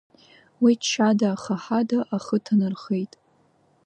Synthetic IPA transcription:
witʃʰadaːχaħadaʔaχətʰanarχe̞jtʼ

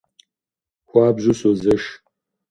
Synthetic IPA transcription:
xʷaːbʒʷʊsozɐʃ

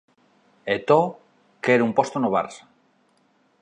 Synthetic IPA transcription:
et̪o | keɾumpost̪onoβa̰ɾs

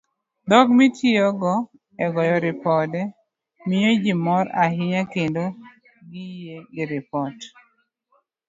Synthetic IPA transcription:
d̪ɔɡmitʰiɔɡɔ | ɛɡɔjɔɾɪpɔdɛ | mɪjod͡ʒimɔɾaɦɪɲakendo | ɡijeɡɪɾɪpɔt

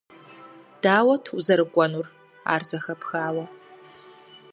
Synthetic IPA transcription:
d̥aːwɐtʰuzɐɾɨkʷʼɔnur | a̰ːrzɐxɐpxaːwɐ

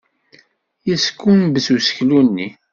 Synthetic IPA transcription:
jəskːunbəsusə̥çlunːi

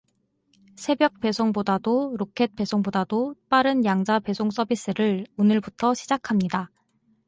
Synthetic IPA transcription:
sʰe̞bjʌk̚p͈e̞sʰoŋbodadoɾokʰe̞t̚p͈e̞sʰoŋbodadop͈aɾɯnjaŋd͡ʑape̞sʰoŋs͈ʰʌbis͈ɯɾɯɭonɯɭbutʰʌɕʰid͡ʑakʰamɲida

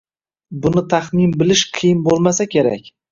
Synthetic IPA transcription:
bʊnɪt̪ʰaχmɪnbɪlɪʃqʰɨjɪnbolˠmasakʲe̞ɾa̰kʲ

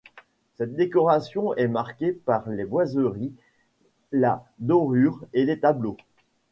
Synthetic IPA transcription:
sɛt̪̚d̪ekɔʁasjɔ̃ɛmaʁkʲepaʁlebwazøʁi | lad̪ɔʁyʁelet̪ablo

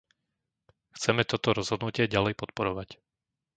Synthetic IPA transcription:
xt͡sɛmɛt̪ɔt̪ɔɾɔzɦɔd̪nucɪɛɟalɛjpɔt̪̚pɔɾɔʋac

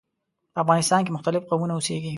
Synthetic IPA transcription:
pəafɣɑnɪst̪ɑnk̬emʊxt̪alɪfqawmunaoseɡi

